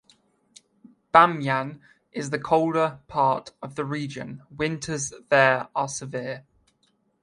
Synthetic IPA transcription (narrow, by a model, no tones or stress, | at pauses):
b̥ãmjãn | ʔɪzðəkʰəʊlˠdəpʰɑˑtəvðəɹiːd͡ʒə̰̃nwɪ̃ntʰəzðəːɹəsəvɪə